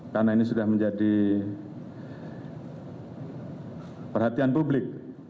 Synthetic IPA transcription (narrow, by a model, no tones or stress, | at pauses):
kanainisudahməɲd͡ʒadi | pərhat̪ianpublɪk̚